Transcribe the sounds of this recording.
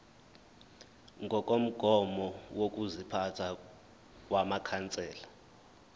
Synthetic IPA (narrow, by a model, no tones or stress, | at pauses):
ŋɡʱɔk̬ʼom̩ɡ̥ʱɔmɔwok̬ʼuzipʰatʰa | k̬ʼwamakʰant͡sʼɛːla